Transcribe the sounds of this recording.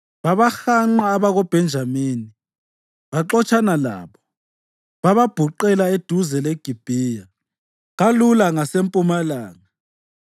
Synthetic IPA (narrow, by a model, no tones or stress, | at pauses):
βaβaxaŋ͡ǃaːβaɣɔb̥ʱɛnd͡ʒʱamiːni | βaǃɔt͡ʃʰʼanala̰ːβɔ | βaβab̥ʱuǃɛlaed̥ʱuzɛleɡ̥ʱib̥ʱiːja | ɣalulaŋasempʼumalaːŋa